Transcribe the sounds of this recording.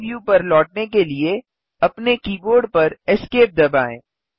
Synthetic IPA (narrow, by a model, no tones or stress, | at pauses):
ʋjupɐɾlɔːʈ̚nekelie | ɐpnekiːboːɾɖpɐɾɛskeːp̚d̪ɐbaːḛ̃ː